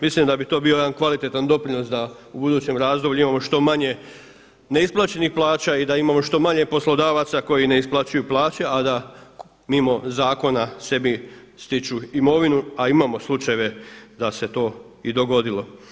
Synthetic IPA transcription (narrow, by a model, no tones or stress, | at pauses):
mislimd̪abit̪o̞ːbio̞jed̪ankʋalit̪et̪and̪o̞pɾino̞sd̪aubud̪uːt͡ɕe̞mɾaːzd̪o̞blʲʎuimamo̞ʃt̪o̞maɲe̞ | ne̞isplˠaːt͡ɕe̞nixplˠaːt͡ɕaid̪aimamo̞ʃt̪o̞maɲe̞po̞slˠo̞d̪aːʋat̪sako̞jine̞isplˠat͡ɕujuplˠaːt͡ɕead̪a | mimo̞zaːko̞nase̞bi | st̪it͡ʃuimo̞ʋinuaimamo̞slˠut͡ʃajeʋe̞d̪ase̞t̪o̞ː | id̪o̞ɡo̞d̪ilo̞